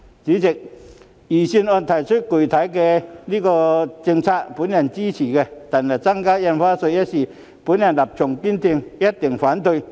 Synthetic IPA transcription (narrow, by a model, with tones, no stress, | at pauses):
t͡ɕi˨˥t͡ɕi˨˩k̚ | jiː˨˩si˧nʔɔ˧nt̪ʰa˨˩jt͡ɕʰɵ˥t̚ku˨˩t̪ʰa˨˥jkɛ˧li˦˥kɔː˧t͡ɕi˧ŋt͡sʰa˧˥k̚pu˨˥nja˧˩nt͡ɕi˥t͡ɕʰiː˨˩kɛ˧t̪a˨˩na˨˩t͡sa˥ŋkaː˥jɛ˧nfaː˥so˧jɛ˦˥si˨˩ | pu˨˥nja˧˩nla˨˩p̚t͡ɕʰʊ˨˩ŋki˥nt̪ʰi˧ŋjɐ˦˥t̚t̪ɪ˨˩ŋfaː˨˥nt̪o˧j